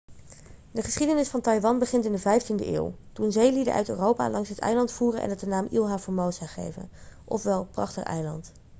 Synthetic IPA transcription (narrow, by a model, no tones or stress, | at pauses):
dəχəsχidənɪsfɑntɑjʋɑnbəχɪntɪndəvɛjftində̰ʔḛːlˠtunzejlidə̰ʔœ̰ɥtøːrowpa̰ːlɑŋsɦətɛ̰jlɑntfuːrənʔɛ̰nɦət̚dənaːmʔilˠɦaːfʊːɹmowsaχḛjvə̰nʔɔfʋɛlˠprɑχtə̰χʔɛ̰jlɑ̰nt